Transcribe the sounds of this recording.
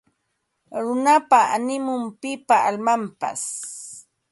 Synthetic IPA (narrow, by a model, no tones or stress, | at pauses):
ɾʊnapaʔa̰nɪmʊmpɪpaalmampa̰s